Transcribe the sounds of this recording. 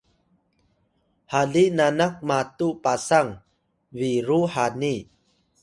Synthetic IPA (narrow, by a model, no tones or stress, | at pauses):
halinanak̚mat̪upasaŋ | viɾuhani